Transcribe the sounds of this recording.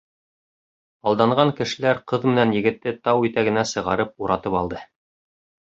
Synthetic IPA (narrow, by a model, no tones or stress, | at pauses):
ɑlˠd̪ɑɴɢɑŋkɘ̆ʃɘ̆læɾqɤðmɘ̆nænjɘ̆ɡɘ̆t̪ːɘt̪ɑwit̪æɡɘ̆næsɤ̆ʁɑ̰ɾɤp̚uɾʔɑt̪ɤpɑlˠd̪ɤ